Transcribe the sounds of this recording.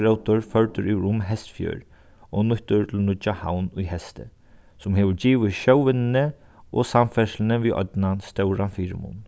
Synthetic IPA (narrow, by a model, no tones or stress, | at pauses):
ɾəwt̪ʊɹfœɹt̪ʏɾʔiɾʊmɦɛst̪fjø̰ːɹ | ɔnʊht̪ʊɹt̪ʰɪlnʊt͡ʃaha̰wnʊjhɛst̪ə̰ | sʊmɦeːʋəɹd͡ʑiːʋɪʃœwʋɪnnə | ɔ̰samfɛʃlɪnəʋiːʔɔ̰t̪nanst̪œwɹanfiːɾ̰mʊ̰n